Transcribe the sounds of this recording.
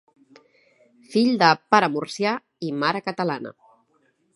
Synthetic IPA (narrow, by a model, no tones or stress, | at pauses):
fiʎd̪əpaɾəmuɾsja | imaɾəkət̪əla̰nə̰